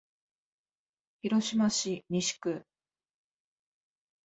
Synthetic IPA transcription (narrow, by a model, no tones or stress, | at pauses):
çiɾo̞ɕimaɕiɲʲiɕi̥kɯ̟